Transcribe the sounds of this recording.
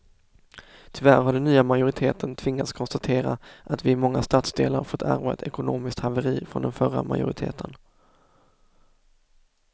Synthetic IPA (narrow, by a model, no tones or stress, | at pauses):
t̪ʰʏvæɾɦaɖɛnːyːamajʊɾɪt̪ʰeːt̪ʰənt̪ʰvɪŋːat̪skʰɔnst̪at̪ʰeːɾaʔat̪vɪɪmɔŋːast̪aːt̪sd̪ḛːlaɾfɔt̪ʰːæ̰ɾvaɛ̰t̪ʰɛkʊnoːmɪsk̚t̪havəɾiːfɾɔ̰nd̪ɛnfœɾa̰ma̰jʊ̰ɾɪt̪ʰḛːt̪ʰən